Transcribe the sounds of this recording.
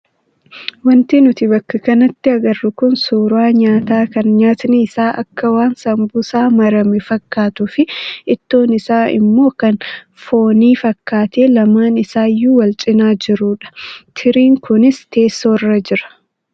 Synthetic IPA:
wɐnt̪inʊt̪ɪbɐkːɐkɐnɐt̪ːɪɐɡɐrːʊkʊnsuːɾʊaːɲaːt̪aːkɐnɲaːt̪niɪsaːʔɐ̰kːɐwaːnsɐmbʊsaːmɐɾɐmɪfɐkːaːt̪ʊfɪɪt̪ːo̞ːnɪsaːɪ̰mːo̞ːkɐn | fo̞ːniːfɐkʰːaːt̪eːlɐmaːnɪsaːjːuːwɐlt͡ʃʼɪnaːd͡ʒɪɾuːᶑɐ̥t̪ʰɪɾiːŋkʊnɪst̪e̞ːsːoːrːɐd͡ʒɪɾɐ̥

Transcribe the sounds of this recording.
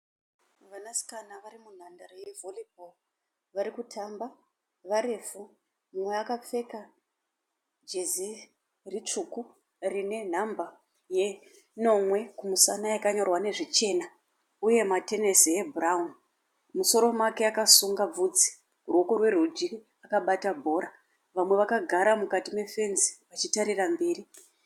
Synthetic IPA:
ʋanasi̥kanaʋarimun̤andaɾojevolibʱo | ʋaɾikutʰamba | ʋaɾe̞fu | mumweakap͡fe̞ka | d͡ʒezi | rit͡ʂuku | rine̞n̤amba | je̞ | no̞mwe̞kumusanajakaɲo̞rwane̞ʐit͡ʃe̞ːna | uje̞mate̞ne̞siebʱuraun | muso̞ɾo̞make̞akasuŋɡab͡vud͡zi̥ | urwokorwe̞rud͡ʒi | akaɓatabʱo̞ːɾa | ʋamwe̞ʋakaɡʱaɾamukatime̞fe̞nzi̥ʋat͡ʃitaɾirambeːɾi

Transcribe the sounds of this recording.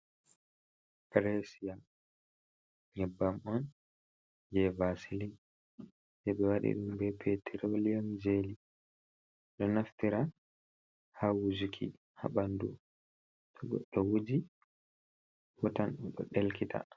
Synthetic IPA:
kɾesija | ɲɛbːamɔn | d͡ʒɛvasili | sɛɓɛwaɗḭɗumbɛpʰetʰiɾolijamd͡ʒeli | ɗɔnaftiɾa | hawud͡ʒukʰḭ | ha̰ɓandu | tʰɔɡɔ̰ɗɔwud͡ʒi | wɔtanɗɗɔ̰ɗɛlkita̰

